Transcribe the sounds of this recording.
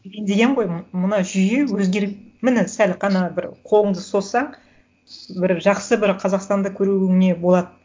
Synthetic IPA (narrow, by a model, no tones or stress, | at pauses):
end̪e̞ɡʲeɴʁo̞jmənɑʒʏje̞wɵzɡʲe̞ɾmɪnɪsælʲqʰɑnɑbɪɾqʰo̞lˠəɴd̪əso̞sɑɴ | bɪɾʒɑqsəbɪɾqʰɑzɑqst̪ɑnd̪ɑkʲʰɵɾuɪŋɪne̞bo̞lˠɑd̪ə